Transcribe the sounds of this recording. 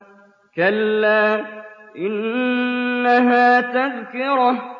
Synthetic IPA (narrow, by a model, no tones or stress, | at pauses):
kalːaːʔɪnː | aɦaːt̪aðkɪɾ